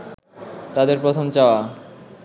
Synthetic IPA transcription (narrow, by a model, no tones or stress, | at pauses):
t̪ad̪eɾpɾot̪ʰomt͡ɕaoa